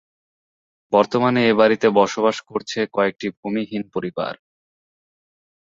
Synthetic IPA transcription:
bɔɾt̪omaneebaɾit̪ebɔʃobaʃkoɾt͡ɕʰekɔek̚ʈibʱumiɦinpoɾiba̰ɾ

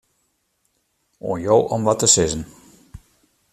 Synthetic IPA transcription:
o̰ːnjoːʔɔmʋɔtəsɪzən

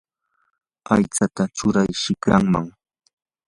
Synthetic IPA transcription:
ajt͡sat̪at͡ʃʊɾajʃɪkɾaŋma̰ŋ

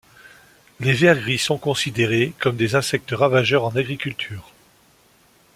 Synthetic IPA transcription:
levɛʁɡʁisɔ̃kɔ̃sid̪eʁekɔmd̪ezɛ̃sɛk̚t̪əʁavaʒœʁɑ̃naɡʁikʲylt̪ʰyːʁ

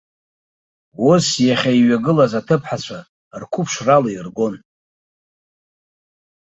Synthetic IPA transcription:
wosjaχʲaiɥaɡɨlazatʰɨpʰħat͡ɕʷʰa | rkʷʰupʰʂraloirɡo̞n

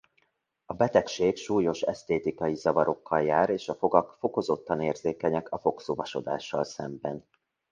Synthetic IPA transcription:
ɒbɛt̪ɛkʃeːkʃuːjo̞ʃɛ̰st̪eːt̪ikɒjizɒvɒɾo̞kːɒljaːɾeːʃɒfo̞ɡɒkfo̞ko̞zo̞t̪ːɒneːrzeːkɛɲɛkʰɒfo̞ksoːvɒʃo̞d̪a̰ːʃːɒlsɛmbɛn

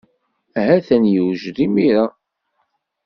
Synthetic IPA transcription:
æɦæθænjuwʒðimiɾa

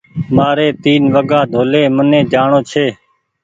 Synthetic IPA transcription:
maːɾeːt̪iːnʋəɡãːd̪ʱoːleːmənẽːd͡ʒaːɳoːt͡ʃʰeː

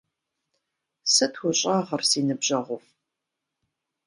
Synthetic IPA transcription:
sɐtʰxʷʊɕʼɑːʁɐrsiːnɨbʑɐʁʷʊf

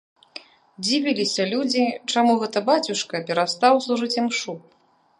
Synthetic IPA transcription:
d͡zʲivʲilʲisʲɐlʲud͡zʲit͡ʂamuɣɛt̪ɐbat͡sʲuʂkɐpʲɛɾast̪awslˠuʐɨt͡sʲimʂu

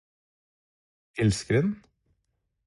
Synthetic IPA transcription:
ɛlskəɾɛn

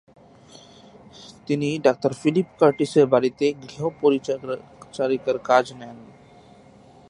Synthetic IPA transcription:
t̪iniɖak̚ʈəɾfilipkəɾʈisəɾbaɾit̪eɡɾeopoɾi | t͡ʃaɾikəɾkad͡ʒnɛn

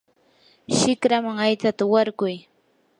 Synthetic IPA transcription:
ʃɪkɾamaŋajt͡sat̪awaɾkʊj

